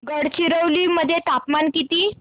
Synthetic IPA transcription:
ɡəɽt͡ɕiɾəwliməd̪ʱːjet̪apmankit̪iː

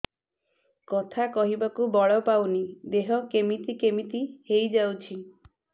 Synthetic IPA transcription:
kɔt̪ʰakɔɦibakubɔɭɔpawnid̪eɦɔkemit̪ikemit̪ihejd͡ʒawt͡ʃʰi

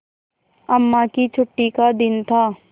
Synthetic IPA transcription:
ɐmːakit͡ʃʰʊʈːikad̪ɪnt̪ʰaː

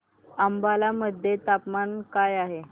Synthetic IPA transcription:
əmbalaməd̪ʱːjet̪apmankajaɦe

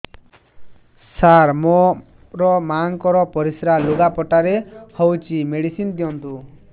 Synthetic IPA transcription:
saɾmo | ɾɔmaŋkɔɾɔpɔɾisɾaluɡapɔʈaɾehowt͡ʃimeɽisind̪ijɔnt̪u

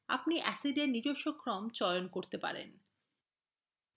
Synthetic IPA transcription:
a̰pniʔɛsiɖenːid͡ʑoʃːokɾɔmt͡ɕɔonkoɾt̪epa̰ɾḛn

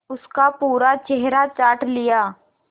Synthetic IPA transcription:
ʊskapuːɾat͡ʃɛɦɾat͡ʃaːʈlɪjaː

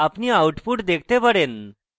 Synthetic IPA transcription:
apɳiːawʈpuːʈd̪ekʰt̪epəɽen

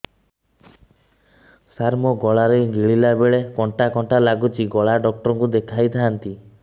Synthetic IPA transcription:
saɾmɔɡɔɭaɾeɡiɭilabeɭekɔɳʈakɔɳʈalaɡut͡ʃʰiɡɔɭaɖɔk̚ʈɔɾɔŋkud̪ekʰajt̪ʰaant̪i

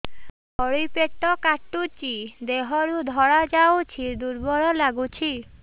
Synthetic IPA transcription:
bɔɽipeʈːɔkaʈːut͡ʃid̪eɦɔɾud̪ʱɔɽad͡ʒawt͡ʃʰid̪uɾbɔɾɔlaɡut͡ʃʰi

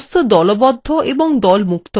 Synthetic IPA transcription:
st̪ʰod̪ɔlobɔd̪ʱːoʔebɔŋd̪ɔlmukt̪o

